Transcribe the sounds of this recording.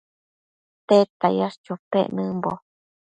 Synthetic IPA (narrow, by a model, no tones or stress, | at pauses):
t̪et̪ajast͡ʃupḛʔnɨmbo